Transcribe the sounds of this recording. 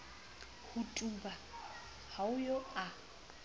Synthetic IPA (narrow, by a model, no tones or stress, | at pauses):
hʊtʼuba | haʊjɔa